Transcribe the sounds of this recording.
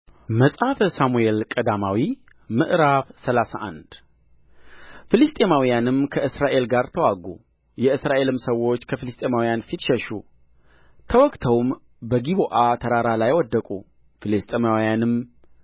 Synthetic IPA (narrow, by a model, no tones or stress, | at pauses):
məsʼafsamuelkʼəd̪amawi | mɨʔɾaβsəlasa̰ʔa̰nd̪̥ | filist̪ʼemawijanɨmkʰəʔɨsɾaʔe̞lɡaɾt̪ʰəwaɡṵ | jɛɨsɾaʔe̞lɨmsəwo̞t͡ʃːkʰəfilɨst̪ʼe̞mawijanfit̪ʃɛʃu | t̪ʰəwɔkʼt̪ʰəwm | bəɡiβoʔat̪ʰəɾaɾalajwɔd̪ːəkʼṵ | filist̪ʼemawijanɨm